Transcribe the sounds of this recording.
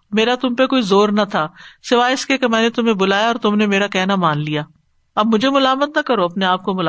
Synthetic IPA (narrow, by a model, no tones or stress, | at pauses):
meːɾat̪ʊmpekoːizoːɾnɐt̪ʰaːsɪʋaːɪskekemɛ̃ːnet̪ʊmẽbʊlaːjaɔːɾt̪ʊmnemeːɾakɛːnamaːnlijaː | ɐbmʊd͡ʒʱemʊlaːmət̪nɐkɐɾoɐpneaːp̚komʊla